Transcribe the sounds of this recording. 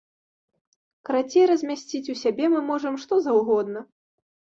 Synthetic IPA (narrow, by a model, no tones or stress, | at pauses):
kɾat͡sʲɛɾɐzʲmʲasʲt͡sʲit͡sʲusʲabʲɛmɨmɔʐɐmʂt̪ɔzɐwɣɔd̪nɐ